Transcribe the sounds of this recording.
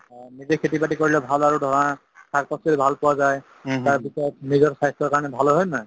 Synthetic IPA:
nizekʰetipaʈikoɹilɛbʱalaɹudʱɔɹɔa | sʰak̚pɔsilibʱalpɔwazaj | taɹpisɔt̚nizɔɹsajstɔɹkaɹɔnɛbʱalɔɦɔjnaj

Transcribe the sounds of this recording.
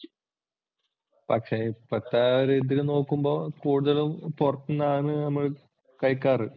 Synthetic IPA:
pɐkʂepɐt̪ːaːɾed̪iɾɨno̞ːkːumbo̞ːkuːɽuðɐlumpurɐt̪ːunːaːɳɨnɐmːɐɭ | kɐjkːaːrɨ

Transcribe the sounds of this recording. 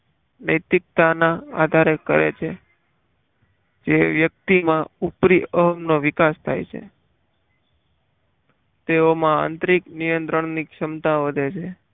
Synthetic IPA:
nəjt̪ik̚t̪anãa̰d̪ʱaɾekə̰ɾḛt͡ʃʰe | d͡ʒeʋjək̚t̪imãupɾiəɦəmnoʋɪkast̪ʰa̰jt͡ʃʰḛ | t̪eomãa̰nt̪ɾiknijənt̪ɾəɳ̃nikʃəmt̪aʋəd̪ʱet͡ʃʰe

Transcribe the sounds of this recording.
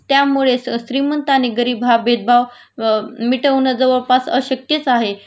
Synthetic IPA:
t̪jamuɭeɕɾimənt̪añiɡəɾiːbʱɦabed̪̚bʱaʋ | miʈəʋnəd͡zəʋəɭpasə̰ɕək̚t̪jət͡saɦe

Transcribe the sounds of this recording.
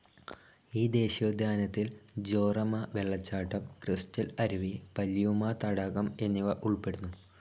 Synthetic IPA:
iːd̪e̞ːɕod̪ʱjaːnɐt̪ːild͡ʑo̞ːrɐmɐʋeɭːɐt͡ɕːaːʈːɐmkristɐlɐɾiʋipɐljumaːt̪ɐɽɐɣɐme̞nːiʋɐʔuɭpe̞ɽunːu

